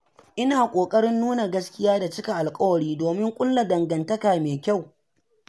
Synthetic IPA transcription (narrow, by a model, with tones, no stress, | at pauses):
ʔɪ˦naː˨kʷʼoː˨kʼɐ˦ɾɪ˦nːuː˦na˨ɡɐ˦skʲɪ˦jaː˦da˨t͡ʃɪ˦kʲa˨ʔa˨lkʼɐ˦wɐ˨ɽiː˦doː˨mɪ˦ŋkʷʼʊ˦lla˨dɐ˨ŋɡɐ˨ntɐ˦kaː˨meː˨kʲa˦˨w